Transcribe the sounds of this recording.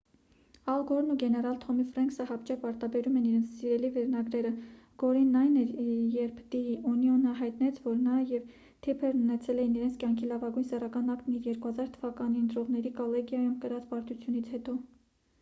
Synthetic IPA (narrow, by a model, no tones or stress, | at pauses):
ɑlɡɔɾnuɡɛnɛɾɑlt̪ʰɔmifɾɑŋksəhɑpt͡ʃʰɛpɑɾt̪ɑbɛɾumɛniɾɛnt͡sʰsiɾɛlivɛɾnɑɡɾɛɾə | ɡ̥ɔɾinːɑjnɛɾjɛɾpʰd̪iiʔɔniɔnəɦɑjt̪nɛt͡sʰvɔɾnɑjɛv | t̪ʰɛpʰɛɾnunɛt͡sʰɛlɛjiniɾɛnt͡sʰkʲjɑŋkʰilɑvɑɡujnsɛrɑkɑnɑpk̪niɾjɛɾkuhɑzɑɾt̪ʰəvɑkɑniənt̪ɾɔʁnɛɾikɔlɛɡjɑjumkəɾɑt͡spɑɾt̪ut͡sʰjunit͡sʰhɛt̪ɔ